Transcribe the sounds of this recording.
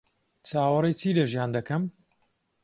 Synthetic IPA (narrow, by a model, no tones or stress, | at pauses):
t͡sʰaːwɐɾejt͡siːlɐʒjaːnd̪ɐkɐm